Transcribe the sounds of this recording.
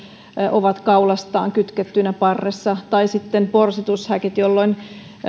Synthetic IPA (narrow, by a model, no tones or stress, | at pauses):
ʔoʋɑt̪kɑulɑst̪ɑ̰ːŋkyt̪ket̪ːynæpɑrːesːɑt̪ɑisit̪ːenporsit̪ushækit̪jolːoin